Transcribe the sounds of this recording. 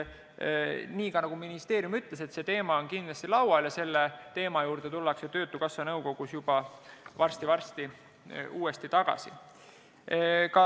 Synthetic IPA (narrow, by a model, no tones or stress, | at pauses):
niːkɑnɑɡ̥uminist̪e̞ːɾjumyt̪le̞se̞t̪se̞t̪e̞ːmɑo̞nkind̪lɑst̪ilɑwɑljɑse̞lːet̪e̞ːmɑjuːɾd̪̥e̞t̪ulːɑkset̪ø̞ːt̪ːˑukɑsːɑnɤwko̞ɡ̥usjubɑvɑrst̪ivɑrst̪i | uːe̞st̪it̪ɑɡ̥ɑ̰si | kɑ